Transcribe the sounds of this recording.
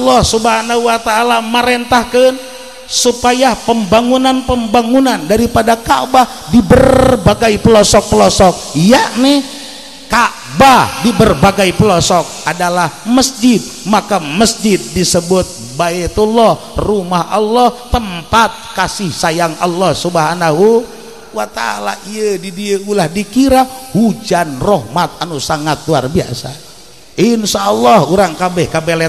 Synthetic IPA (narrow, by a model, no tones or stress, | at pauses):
lːɔhsubhanahuwat̪aːlaməɾent̪ahkən | supajapəmbaŋunanpəmbaŋunandaɾipadakaʔba | dibərrbaɡajplɔsɔk̚pəlɔsɔk̚jaʔnɛ | kaʔ | badibərbaɡajpəlɔsɔk̚adalahməsd͡ʒɪt̪̚makaməsd͡ʒɪt̪̚disəbʊt̪̚ | baet̪ulɔh | rumahʔɔ̰lːɔht̪əmpat̪̚kasɪhsajaŋʔa̰lːɔhsubəɦanaɦu | wat̪a̰la̰iədidiəʔulahdikiɾahud͡ʒanrɔhmat̪̚anusaŋat̪̚luarbia̰sa̰ | ʔinʃaɔlːɔhuɾaŋkabɛhkabɛlɛ